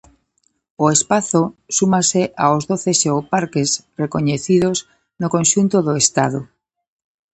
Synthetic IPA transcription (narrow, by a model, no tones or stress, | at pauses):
oespaθosumaseʔaozðoθesewpaɾkesrekoɲeθiðos | nokonʲʃunt̪oðoest̪að̞o